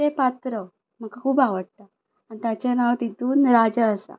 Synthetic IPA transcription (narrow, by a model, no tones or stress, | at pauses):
epat̪ɾə | m̤əkakʰuːbaʋəɽ̚t̪a | anit̪jat͡ɕanaʋət̪it̪uːnɾad͡ʑəːsa̰